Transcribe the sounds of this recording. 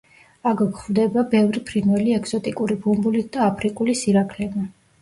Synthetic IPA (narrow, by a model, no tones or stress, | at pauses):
aɡkχvd̪ɛbabɛvɾipʰɾinwɛliɛɡz̥ɔt̪ʼikʼuɾibumbulit̪̚ʰd̪aːpʰɾikʼulisiɾakʰlɛba